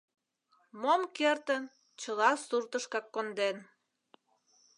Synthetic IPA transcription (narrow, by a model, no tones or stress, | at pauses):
momkert̪ən | t͡ɕəlɑsurt̪əʃkɑkːond̪en